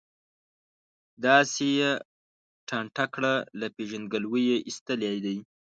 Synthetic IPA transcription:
d̪ɑseje | ʈʰɑɳʈakɽalapeʒand̪ɡalwəjeʔist̪əljɑjd̪aj

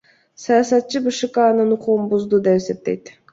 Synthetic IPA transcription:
sɑjɑsɑt̪̚t͡ʃɯbɯʃɨkanɯnuquʁunbuzd̪ud̪e̞pese̞p̚t̪e̞jt̪

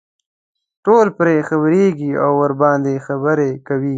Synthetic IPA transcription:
ʈolpɾexabɾeɡia̰wːəɾbɑːnd̪exabəɾekawi

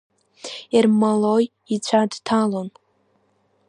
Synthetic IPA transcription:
irmaloj | it͡ɕʷʰadtʰalon

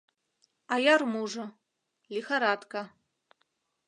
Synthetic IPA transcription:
ajarmuʐɐ | lʲixaɾat̪ka

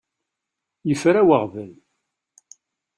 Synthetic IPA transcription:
jəfɾæwəʁvəl

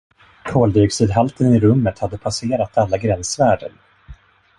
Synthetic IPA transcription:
kʰoːld̪ʏɡsiːd̪ɦalt̪ənɪɾɵmːət̪had̪ːəpʰaseːɾat̪ʰalːaɡɾɛnsvæːɖə̰n

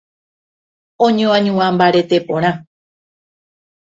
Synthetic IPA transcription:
õɲõãɲũãmbaɾet̪e̞põɾ̃ã

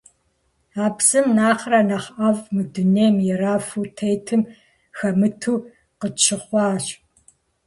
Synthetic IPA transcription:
aːpsɨmnaːχrɐnɐχʔɐvmɨduneːmjɛraːfuːtʰejtʰɨm | xɐmɨtʰuː | qət͡ʃʰɨχʷɑːɕ

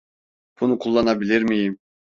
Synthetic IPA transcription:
b̥unukʰulˠːanabilʲiɾmijim

